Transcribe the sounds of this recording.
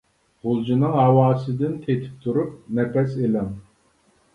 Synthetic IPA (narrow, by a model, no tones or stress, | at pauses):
ʁʊlˠd͡ʒinɨŋɦɑwɑːsɨd̪ɪnt̪ʰet̪ʰɪ̥p̚t̪ʰuɾup̚nɛpʰɛselɛŋ